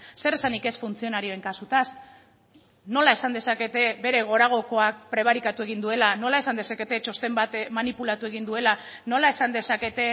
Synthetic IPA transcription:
se̞ɾesanike̞sfunt͡sio̞naɾio̞e̞ŋkasut̪as | no̞lae̞sand̪e̞sake̞t̪e̞βe̞ɾe̞ɣ̞o̞ɾaɣ̞o̞ko̞ak̚pɾe̞βaɾikat̪ue̞ɣ̞ind̪ue̞lano̞lae̞sand̪esake̞t̪e̞t͡ʃo̞st̪e̞mbat̪manipulat̪ue̞ɣind̪ue̞lano̞lae̞sand̪e̞sake̞t̪e̞

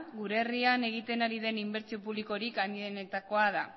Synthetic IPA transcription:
ɡuɾe̞ːriane̞ɣ̞it̪e̞naɾiðe̞nimbe̞ɾt͡sio̞puβliko̞ɾikaniðenet̪ako̞aða

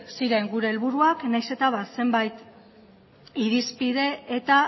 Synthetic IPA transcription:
siɾe̞ŋɡuɾe̞ːlβuɾuaknajse̞t̪aβase̞mbajt̪ | iɾispið̞e̞et̪a

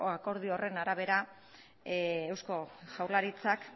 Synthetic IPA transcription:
ako̞ɾð̞io̞re̞naɾaβ̞e̞ɾa | ewsko̞ʝawlaɾit͡sak

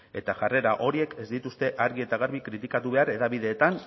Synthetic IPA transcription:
e̞t̪aʝare̞ɾaʔo̞ɾie̞ke̞zd̪it̪ust̪e̞ʔaɾɣie̞t̪aɣaɾβikɾit̪ikat̪uβe̞aɾe̞ðaβiðe̞ːt̪an

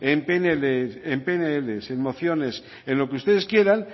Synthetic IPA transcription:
empeneleempeneelesenmo̞θjo̞ne̞s | ẽnlo̞keust̪e̞ðe̞skje̞ɾaŋ

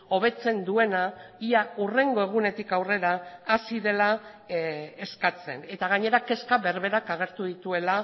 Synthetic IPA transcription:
o̞β̞e̞t͡se̞nd̪ue̞naiaure̞ŋɡo̞e̞ɣ̞une̞t̪ikawre̞ɾaːsiðe̞la | eskat͡se̞̰ne̞t̪aɣ̞aɲe̞ɾake̞skaβe̞ɾβe̞ɾakaɣ̞e̞ɾt̪uð̞it̪ue̞la

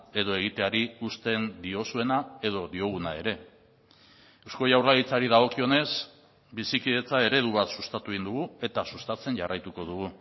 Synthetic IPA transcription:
e̞ðo̞e̞ɣ̞it̪e̞aɾiust̪e̞nd̪io̞sue̞nae̞ðo̞ðio̞ɣ̞unae̞ɾe̞ | ewsko̞jawrlaɣit͡saɾiðaɣ̞o̞kio̞ne̞s | bisikiðe̞t͡sae̞ɾe̞ð̞uβat̪sust̪at̪uind̪uɣ̞ue̞t̪asust̪at͡se̞nʝarajt̪uko̞ðuɣu

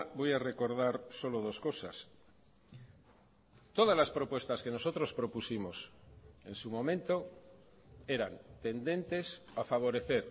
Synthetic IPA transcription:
bo̞jare̞ko̞ɾð̞aɾso̞lo̞ð̞o̞sko̞sa̰s | t̪o̞ð̞azlaspɾo̞pwe̞st̪askeno̞sot̪ɾo̞spɾo̞pusimo̞se̞nsumõ̞mẽ̞nt̪o̞ | e̞ɾa̰nt̪e̞nd̪e̞nt̪e̞safaβ̞o̞ɾe̞θe̞ɾ

